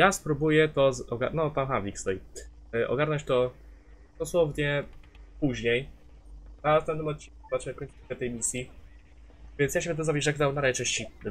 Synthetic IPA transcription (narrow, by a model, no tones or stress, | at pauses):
jaspɾubujɛt̪ɔzɔɡanɔt̪amxavʲikst̪ɔji | ʔɔ̰ɡaɾnɔɲt͡ɕt̪ɔ | d̪̥ɔswɔvɲɛpuʑɲej | nast̪avnɨmɔt̪̚t͡ɕːinkuzat͡ʃɛkɔɲʲt͡ʃkɛt̪ɛjmʲisʲji | vʲjɛnsjaɕɛbɛt̪ɔzavʲiʐɛkzawnaɾat͡ʂɛ̃ɕt͡ɕi